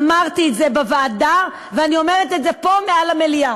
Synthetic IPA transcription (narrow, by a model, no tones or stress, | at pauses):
maʁt̪iːtzebevaːda | veanio̞meʁet̪etzepo̞mealamelia